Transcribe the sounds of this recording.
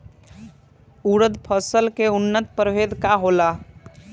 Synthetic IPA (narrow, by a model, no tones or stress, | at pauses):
uɾəd̪pʰəsəlkeunːət̪pəɾʋed̪ʱkaɦola